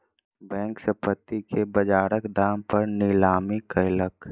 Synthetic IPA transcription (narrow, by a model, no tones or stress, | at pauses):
bɛ̃ːŋksəpət̪ːikebəd͡ʒaːɾəkd̪aːmpəɾnɪlaːmikəɪlək